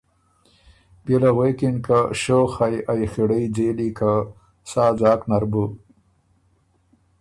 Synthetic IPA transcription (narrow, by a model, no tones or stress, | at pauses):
belaɣwekinkaʃoxajajxiɽəjd͡zeːlikʰa | saːzaːknaɾbu